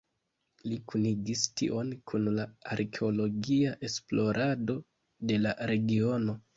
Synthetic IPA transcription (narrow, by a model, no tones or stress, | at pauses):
likuniɡistḭʔo̞nkʰunlaaɾkʰeo̞lo̞ɡiaʔe̞splo̞ɾʔado̞ | de̞laɾe̞ɡio̞no̞